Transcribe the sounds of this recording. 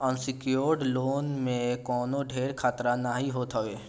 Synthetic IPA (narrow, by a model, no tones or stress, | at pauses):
ə̃nsɪkjoːɾɖloːnmẽkɔːnoɖʱeːɾkʰaːt̪ɾanaːɦiɦoːt̪ɦəʋeː